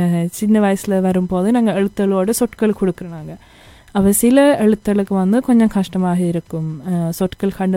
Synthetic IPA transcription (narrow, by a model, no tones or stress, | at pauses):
t͡ɕinːɐʋɐjsilʋɐɾumpo̞ːninɐŋːɐɭeɭut̪ːɐɐɭo̞ːɽɨsoʈkɐɭkoɽukːɐɳaːŋɡɐ | ɐpːɐsilɐeɭut̪ːɐɣɐɭokːɨʋɐnːɨkoɲːɐmkʰɐʂʈɐmaːɦɐiɾukːumsoʈːkɐɭkʰɐɳɖɨ